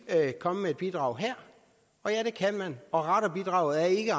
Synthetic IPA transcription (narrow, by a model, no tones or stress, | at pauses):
kʰɒ̽məmeed̥̚b̥id̥ʁɑ̈ʊɦæɐ̰ | ɒ̽jæɾ̥e̝kʰænmænɒ̽ʁɑɾ̥ɐb̥id̥ʁɑ̰̈ʊð̩ˠæɐe̝ɡ̥ə